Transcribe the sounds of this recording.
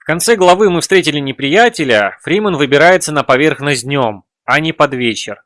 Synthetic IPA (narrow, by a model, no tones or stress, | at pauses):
fkɐnt̪sɛɡlˠɐvɨmɨfst̪ɾʲetʲɪlʲɪnʲɪpɾʲɪjætʲɪlʲəfɾʲimənvɨbʲɪɾajɪt̪sənəpɐvʲerxnəzʲdʲnʲo̞m | ɐnʲɪpɐd̪vʲet͡ɕɪr